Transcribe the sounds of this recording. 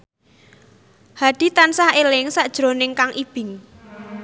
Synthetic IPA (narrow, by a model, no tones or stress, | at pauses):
haɖ̪̥i̤t̪ansahelɪŋsaʔd̥ʒ̥ɾo̤nɪŋkaŋʔib̥ɪ̤ŋ